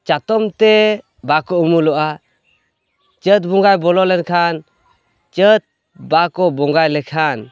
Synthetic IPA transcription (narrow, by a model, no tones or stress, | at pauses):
t͡ʃat̪ɔmt̪e | bakɔumulɔʔa | t͡ʃət̪̬̚bɔŋɡajbɔlɔlɛnkʰan | t͡ʃət̪̚ | bakɔbɔŋɡajlɛkʰan